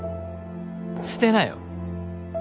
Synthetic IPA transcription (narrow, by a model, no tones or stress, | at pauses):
sɨ̥t̪enaj̰o̰